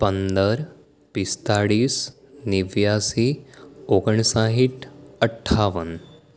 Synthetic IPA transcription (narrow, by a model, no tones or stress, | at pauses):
pənd̪əɾ | pist̪aɽiːs | niʋjasioɡəɳsaɦiʈəʈʰːaʋən